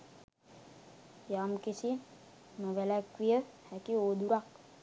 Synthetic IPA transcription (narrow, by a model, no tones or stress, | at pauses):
jaːmkisi | məʋelakʋijə | hɛkioːd̪uɾak̚